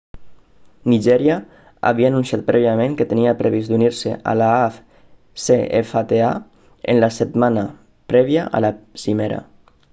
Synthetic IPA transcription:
niʒɛɾja | a̰βiaːnunsjat̪̚pɾɛβiamẽŋkət̪əniapɾeβizd̪uniɾseʔa̰laaf | seefat̪ea̰ | ḛnlaset̪mana | pɾɛβjaʔa̰lasimeɾa̰

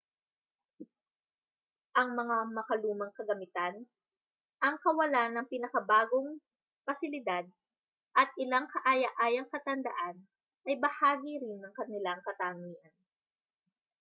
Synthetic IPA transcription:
ʔɐŋmɐŋamɐkɐluːmɐŋkɐɡɐmɪt̪an | ʔɐŋkɐwɐlanɐŋpinɐkɐbaːɡoŋ | pɐsɪlɪd̪ad̪̚ | ʔɐt̪̚ʔɪlaŋkɐʔajɐʔaːjɐŋkɐt̪ɐnd̪ɐʔan | ʔɐjbɐhaːɡiɾɪnːɐŋkɐnɪlaŋkɐt̪aːŋiːʔɐn

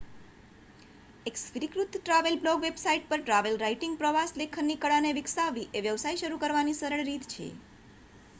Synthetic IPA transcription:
eksʋɾikɾut̪ʈɾaʋelblɔɡʋebsaiʈ̚pəɾʈɾaʋelɾaiʈiŋɡ̚pɾəʋaslekʰənnːikəɭaneʋɪksaʋiʔeʋjəʋsaiʃəɾukəɾʋanisəɾəɭɾit̪t͡ʃʰḛ

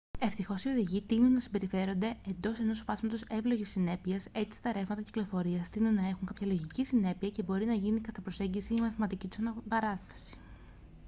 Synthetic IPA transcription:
e̞ft̪ixo̞sio̞ðiʝit̪inunːɐsimbe̞ɾife̞ɾo̞nd̪e̞e̞nd̪o̞se̞no̞sfɐzmɐt̪o̞se̞vlo̞ʝisːine̞piɐse̞t̪i̥st̪ɐɾe̞vmɐt̪ɐci̥klo̞fo̞ɾiɐst̪inunːɐexuŋkɐpçɐlo̞ʝicisine̞piɐce̞bo̞ɾinɐʝinikɐt̪ɐpɾo̞se̞ɲɟisiːmɐθimɐt̪icit̪u̥sɐnɐpɐɾɐθθɐ̥si̥

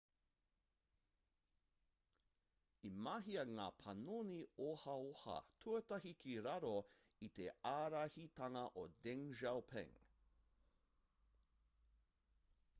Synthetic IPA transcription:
imaɦiɐŋaːpʰɐnoniohɐohɐ̰tʰuɐtɐhikʰiɾɐɾo | it̪eaːɾɐhit̪ɐŋɐʔodɛŋʒawpʰɛ̰̃ŋ

